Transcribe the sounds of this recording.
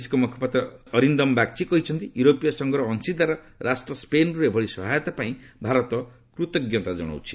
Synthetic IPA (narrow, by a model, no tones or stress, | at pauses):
skomɔkʰɔ̥pat̪rʌːɾind̪ʌmbak̚t͡sʰikʌɦit͡sʰʌnt̪ijuɾopijasʌŋɡɾʌːnsid̪aɾʌ | ɾʔasʈrʌspenuɾebʱʌɽisʌɦajʌt̪apaĩbʱaɾʌt̪ɔ | kɾut̪ʌɡjɔt̪ad͡zʌ̰ɽ̃a̰wt͡sʰi̥